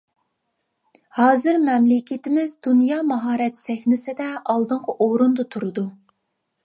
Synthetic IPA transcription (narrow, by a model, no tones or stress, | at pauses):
hɑːzɪɾmɛmlɪkʲʰɪt̪ɪmɪzd̪unjɑːmɑɦɑːɾɛt̪sɛxʲnɪsɪd̪ɛɑlˠd̪ɨɴqʰəʔoɾund̪ɑt̪ʰuɾɨd̪u